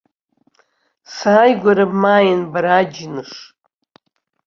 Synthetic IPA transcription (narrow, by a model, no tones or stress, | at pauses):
saːjɡʷaɾabmaːjɪnbaɾad͡ʒnɨʂ